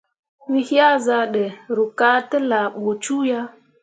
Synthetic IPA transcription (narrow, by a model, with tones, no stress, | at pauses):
wi˦hja˦za˨ɗɛ˨ɾu˨ka˦tə˦la˨ɓo˨t͡ʃu˦ja˦